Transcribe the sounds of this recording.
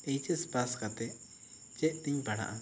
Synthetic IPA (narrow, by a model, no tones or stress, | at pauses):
ɛjt͡ʃɛspaskat̪ɛ | t͡ʃɛʔt̪iɲbaɽa̰ʔa